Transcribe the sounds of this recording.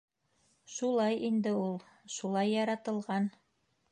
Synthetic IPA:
ʃulˠɑjʔind̪ɘulˠ | ʃulˠɑjːɑɾɑt̪ɤ̆lˠʁɑn

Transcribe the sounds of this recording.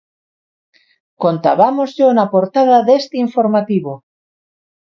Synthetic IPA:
kont̪aβamozʎonapoɾt̪að̞aðest̪eiɱfoɾmat̪iβo

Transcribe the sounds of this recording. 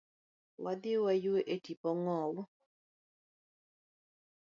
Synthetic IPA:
wad̪ɪwajweʔetipɔŋɔwʊ

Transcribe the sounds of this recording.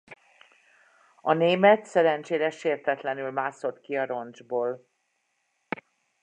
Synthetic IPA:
ɒneːmɛt̪sɛɾɛnt͡ʃeːɾɛʃeːrt̪ɛt̪lɛnylmaːso̞t̪kiɒɾo̞nd͡ʒboːl

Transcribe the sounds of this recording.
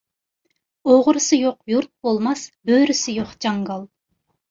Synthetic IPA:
oʁʊɾsɨjoq̚juɾt̪̚bolˠmɑsbøɾysɪjoqd͡ʒɑŋɡɑlˠ

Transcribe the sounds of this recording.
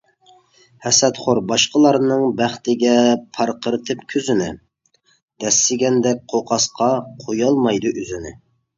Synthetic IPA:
hɛsɛt̪χoɾbɑʃqəlˠɑɾnɨŋbæχt̪ɪɡʲɛpʰɑɾqʰəɾɨt̪ʰɨpkʲʰøzɪnɪ̰ | d̪̥ɛsːɪɡʲɛnd̪ɛk̚ʲqʰoqʰɑsqʰɑqʰojɑlˠmɑjd̪uʔyzɪnɪ̰

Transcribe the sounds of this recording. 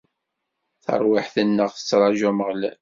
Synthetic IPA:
θə̰ɾˤwɪħθənːəʁθə̥t͡sːɾˤɑʒæməʁl

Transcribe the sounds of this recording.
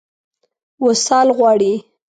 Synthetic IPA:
wosɑlɣwɑɽi

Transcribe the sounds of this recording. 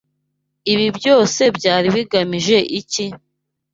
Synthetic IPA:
iβibjo̞ːse̞bɟaːɾiβiɡamiʒe̞ʔici

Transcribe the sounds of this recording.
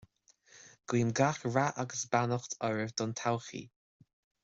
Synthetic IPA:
ɡ̥wiːmɡaxɹaʔaɡəsbanɔxt̪ʰɔɹəvd̪ɔnt̪ʰawxḭ

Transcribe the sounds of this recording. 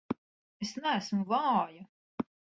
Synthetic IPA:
esnææsmuvaːja

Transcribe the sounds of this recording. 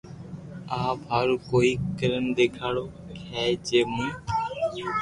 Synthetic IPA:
aːpɦəɾkoːiːkəɾənd̪eːkʰaːɽoː | kʰɛːt͡ʃeːmũː

